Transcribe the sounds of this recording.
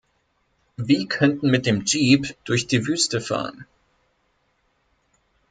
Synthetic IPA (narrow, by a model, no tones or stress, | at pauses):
viːkʰœntn̩mɪt̚d̥eːmd͡ʒiːpd̥ʊɐçd̥iːvyːstəfa̰ːʁən